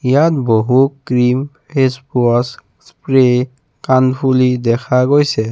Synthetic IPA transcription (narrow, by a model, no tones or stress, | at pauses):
ijatboɦukɹim | hespuɔs | spɹe | kandbulidɛkʰaɡojsɛ